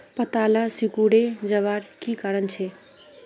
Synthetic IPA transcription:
pət̪alasikuɽed͡ʒəβaɾkikaɾənt͡ʃʰe

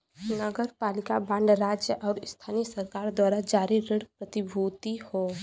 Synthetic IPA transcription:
nəɡəɾpaːlɪkabãɳɖɾaːd͡ʒjəʔɔːɾɪst̪ʰaːnisəɾkaːɾd̪waːɾad͡ʒaːɾiɾeɽpɾət̪ɪbʱuːt̪ihoː

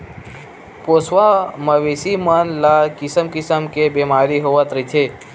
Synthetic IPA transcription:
poːswaməʋeːsimənlakisəmkisəmkebemaːɾiɦoʋət̪ɾit̪ʰe

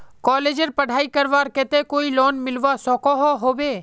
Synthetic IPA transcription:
kɔːleːd͡ʒəɾpɐɽ̤ʱaːikɐɾʋaːɾkɛːt̪ekoːilɔːnmɪlʋasɔːkɔɦoɦoːbeː

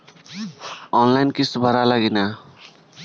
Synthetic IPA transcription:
ɔnlajnkisbʱʌɾalaɡina

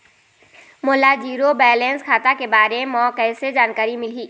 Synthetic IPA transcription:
mʊlad͡ʒiːɾobɛːlẽːnskʰaːt̪akebaːɾemɔ̃ːkɛːsed͡ʒaːnkaːɾimɪliː

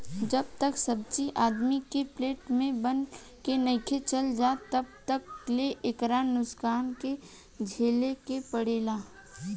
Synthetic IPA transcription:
d͡ʒɐb̚t̪əksɐb̚t͡ʃiʔaːd̪mikepleːʈmẽbən | kenəɪkʰet͡ʃɐld͡ʒaːt̪ɐbt̪əkleʔeːkɾaːnːʊskaːnke | d͡ʒʱeːlekepəɽeːlaː

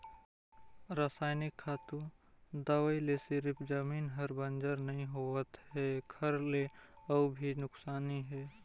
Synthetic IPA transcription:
ɾaːsaːɪnɪkʰːaːt̪ud̪awəilesɪɾpʰd͡ʒəmiːnɦɐɾbənd͡ʒəɾnɐɦĩɦoːət̪ɦɛɡʰɐɾleɐbʱinʊksaːniɦɛː

